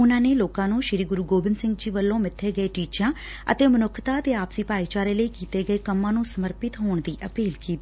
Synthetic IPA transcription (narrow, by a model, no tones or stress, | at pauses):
ʊnãːneːloːkãːnũːʃɪɾiːɡʊɾuːɡoːbɪnsɪ̃ŋɡd͡ʒiːʋəlːõːmɪt̪ʰːeːɡəeːʈiːt͡ʃãː | ə̰t̪eːmənʊkʰt̪aːt̪eːaːpsiːpaːiːt͡ʃaːɾeːləiːkiːt̪eːɡəeːkəmːãːnũːsəməɾpɪt̪ɦoːɳd̪iːʔəpiːlkiːt̪iː